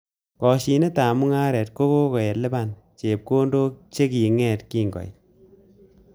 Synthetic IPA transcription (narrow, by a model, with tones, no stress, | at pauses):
kɔ˨ʃi˨ne˦taː˨mu˦ŋa˦ɾɛ˨t̚ko˦ko˦kɔ˨je˨le˦ba˦˨n | t͡ʃe˨p̚ko˦ndo˦k̚t͡ʃe˦ki˨ŋɛ˨tki˦ŋɡɔ̰˨j